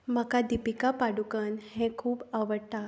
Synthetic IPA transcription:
makad̪ipikapaɽukənhẽkʰuːbaʋəɽt̪a

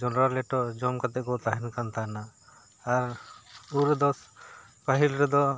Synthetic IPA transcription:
d͡ʒɔnɾaɾlɛʈɔd͡ʒɔmkat̪ɛʔkɔt̪aɦɛnkant̪anaː | ɾuɾɛd̪ɔs | paɦilɾɛd̪ɔ

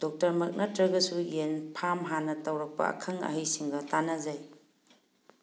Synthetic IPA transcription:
d̥ok̚tɐɾmɐk̚nɐtɾɐɡɐsujenpʰamɦanɐtɐwɾɐk̚pɐ̰ɐ̰kʰɐŋɐ̰ɦɐjsiŋɡɐtanɐzaj

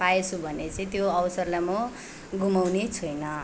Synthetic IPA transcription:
paet͡sʰubʱʌnet͡sʌ̃ĩt̪joʌwsʌrlajmo | ɡumawnet͡sʰʌjnʌ

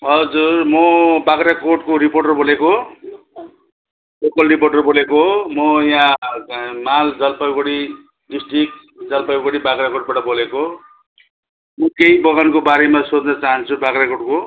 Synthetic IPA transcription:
ɦʌd͡zurmʌbakɾakoʈkoɾiporʈʌrboleko | lokʌlriporʈʌrbolekomʌjã | mald͡zʌlpʌjɡoɽi | ɖisʈrik̚ | d͡zʌlpajɡoɽibakɾakoʈ̚baʈʌboleko | mʌkeibʌɣankobaɾemasod̪nʌt͡saɦʌnt͡sʰubakɾakoʈ̚ko

